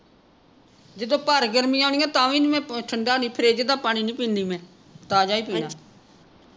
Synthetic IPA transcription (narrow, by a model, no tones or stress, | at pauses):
d͡ʒəd̪õːpəɾɡəɾmiːaːnɪːãːt̪ãːʋĩːnimɛ̃ːʈʰəɳɖaːnĩːpʰɪɾeːd͡ʒəd̪aːpaːɽ̃iːnĩːpĩːnd̪iːmɛ̃ː | t̪aːd͡ʒaːiːpiːnaː